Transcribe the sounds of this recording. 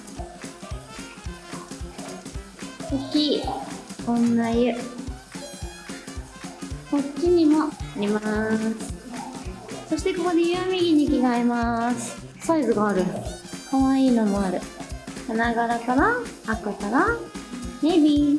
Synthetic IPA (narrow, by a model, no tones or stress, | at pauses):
okʲi | õnːajɯ | kotʲːiɲ̟imo̞aɾʲimasɨ̥ | so̞ɕi̥t̪e̞ko̞ko̞d̪e̞jɯamʲiɡʲiɲ̟ikʲiɡaimasɨ̥ | saizɨɡaːɾɯ̟kaβaiːno̞mo̞aɾɯ̟hanaɡaɾakaɾaːkokaɾa | nebʲi